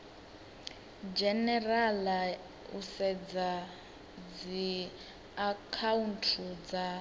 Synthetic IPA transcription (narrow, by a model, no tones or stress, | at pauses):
d͡ʒɛnɛrala | ṵsɛd͡za | d͡zi | akʰauntʰud͡za